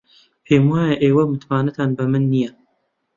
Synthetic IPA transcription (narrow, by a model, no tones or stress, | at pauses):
pʰeːmwaːjɐʔeːwɐmɨt̪maːnɐt̪ʰaːnbɐmɨnːijɛ